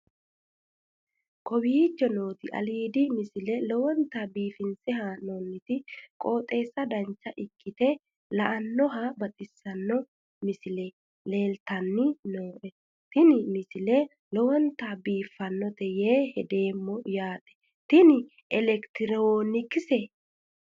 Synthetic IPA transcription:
kɔbiːt͡ʃːɛnoːt̪ɪʔɐ̰liːd̪ɪmɪsɪlɛlɔwɔnt̪abiːfɪnsɪɦanɔnːɪt̪ɪkʼo̞ːt̪ʼe̞ːsːɐd̪ɐnt͡ʃːɐʔɪkːɪt̪ɛ | lɐʔɐnːɔɦɐbɐt̪ʼɪsːɐnːɔ | mɪsɪlɛ | le̞ːlt̪ɐnːɪnoːʔɛ | t̪ɪnɪmɪsɪlɛ | lɔwɔnt̪abiːfːɐnːɔt̪ɛjeːhɛd̪e̞ːmːɔjaːt̪ʼɛ̥ | t̪ɪnɪ | ɛlɛkt̪ɪɾoːnɪkːɪsɛ

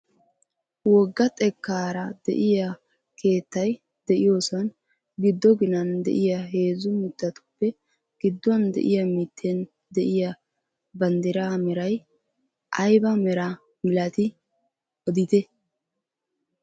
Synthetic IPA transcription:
wɔɡːɐt̪ʼɛkːaːɾɐd̪ɛ̰ʔɪja | kʰe̞ːt̪ːɐj | d̪̥ɛʔɪjoːsɐn | ɡɪd̪ːɔɡɪnɐnd̪ɛ̰ʔɪjaɦe̞ːzʊmɪt̪ːɐt̪ʊ̥pːɛ | ɡ̥ɪd̪ːʊwɐnd̪ɛ̰ʔɪjɐmɪt̪ʰːɛn | d̪ɛʔɪja | bɐnd̪ɪɾaːmɛɾɐj | ʔɐjbɐmɛɾa | mɪlɐt̪ɪ | ɔd̪ɪt̪ɛ

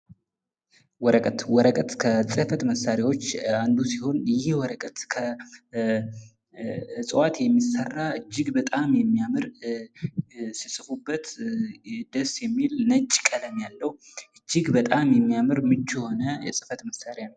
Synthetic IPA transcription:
wɔɾəkʼət̪wɔɾəkʼət̪kʰəsʼɨfət̪məsaɾjawo̞t͡ʃːand̪usiho̞njɪɪhwɔɾəkʼət̪kʰə | sʼɨwat̪jɛmːisərːaʔɨd͡ʒːɪɡbət̪ʼamjɛmːijamɨɾ | sisɨfubːət̪ | d̪əsjɛmːilnət͡ʃʼkʼələmjalːəhu | ʔɨd͡ʒːɪɡbət̪ʼamjɛmːijamɨɾmɨt͡ʃːho̞nəjɛ̰sʼɨfət̪məsaɾjanəw

